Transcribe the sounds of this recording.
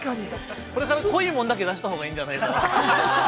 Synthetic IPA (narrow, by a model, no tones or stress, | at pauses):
kai | ko̞ɾe̞kaɾako̞iːmõnd̪ak̬e̞d̪aɕi̥t̪aɦo̞ːɡaĩːɲ̟d͡ʑanaieka